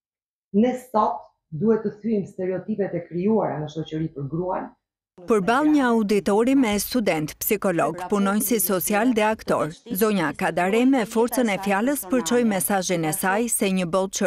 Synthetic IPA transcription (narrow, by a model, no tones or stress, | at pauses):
nɛst̪at̪ | d̪uhɛt̪ːəθyimst̪ɛɾɛɔt̪ipɛt̪ɛkɾiuaɾanəʃɔt͡ɕəɾipəɾɡɾua̰n | pəɾbalˠɲəaud̪it̪ɔɾimɛst̪ud̪ɛnt̪psikɔlɔɡpunɔjnsisɔt͡sialðɛakt̪ɔɾzɔɲakad̪aɾɛmɛfɔɾt͡sənɛfjaləspəɾt͡ʃɔjmɛsaʒinɛsajsɛɲəbɔlˠt͡ʃə